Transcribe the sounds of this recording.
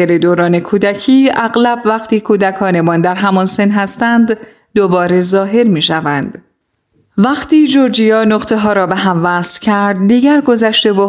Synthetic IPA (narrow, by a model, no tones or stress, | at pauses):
eɾed̪oːɾɒːne̞kʰuːd̪æcʰiːæɣlæbvæqt̪ʰiːkʰuːd̪ækʰɒːne̞mɒːnd̪æɾɦæmɒnse̞nɦæst̪ænd̪ | d̪obɒːɾe̞zɒːɦe̞ɾmiːʃævænd̪̥ | væqt̪ʰiːd͡ʒoɾd͡ʒijɒːnoqt̪ʰe̞ɦɒːɾɒːbeɦæmvæːslcʰæɾd̪̚ːiːɟæɾɡo̞zæʃt̪e̞vo